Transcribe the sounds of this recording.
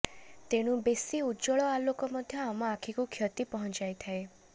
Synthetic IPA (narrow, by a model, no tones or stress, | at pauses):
t̪eɽ̃ũbesiud͡ʒɔɭɔalokɔmɔd̪ʱjɔamãakʰikukʰjɔt̪ipɔɦɔ̃nt͡ʃajt̪ʰae